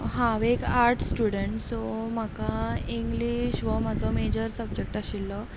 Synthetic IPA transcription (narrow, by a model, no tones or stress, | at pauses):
ɦãʋekaɾʈsʈjuɽəɳʈsɔm̤akaiŋɡliɕʋəm̤ad͡zɔmed͡ʑəɾsəb̚d͡ʑek̚ʈaɕilːɔ